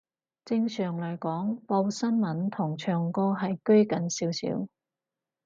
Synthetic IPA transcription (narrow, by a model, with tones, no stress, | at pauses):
t͡sɪ˧ŋsœː˨˩ŋlɵ˨˩ɥkɔː˨˥ŋpo˧wsɐ˥nmɐ˨˥nt̪ʰʊ˨˩ŋt͡ʃʰœː˨˩ŋkɔː˥ɦɐ˨jkɵ˥ɥkɐ˨˥nsiː˨˧˥wsʰḭ˨˧˥w